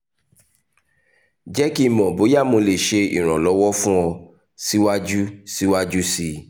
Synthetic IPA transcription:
d͡ʒɛ˦ki˦˨mɔ̃˨bo˨˦ja˦˨mo˧le˨ʃe˧ḭ˨ɾ̃ɔ̃˨lɔ˨˦wɔ˦fũ˦ɔ˧ | si˦wa˦d͡ʒu˦si˦wa˦d͡ʒu˦si˧

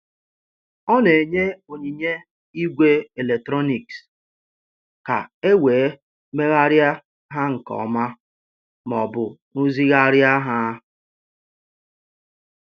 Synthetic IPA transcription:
ɔ˦ne˨ɲe˦o˨ɲi˨ɲe˦ | i˦ɡʷe˦e˨le˨k̚tɾɔ˦ni˨ks | ka˨e˦weː˨˦ | me˦ɣa˦ɾja˦ | ɦa˦ŋ̩˨kɔ̰˨ma˦ | mɔ˨bʊ˨nu˦zi˦ɣa˦ɾja˦ɦa˦

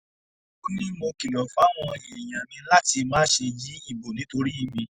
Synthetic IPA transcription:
o˦nĩ˦mo˧ki˨lɔ˨fa˨˦w̃ɔ̃˧e˨j̃ã˨mĩ˧la˦ti˧mãː˦ʃe˧d͡ʒi˨˦i˦˨bo˨nĩ˨˦to˧ɾi˦˧mĩ˧

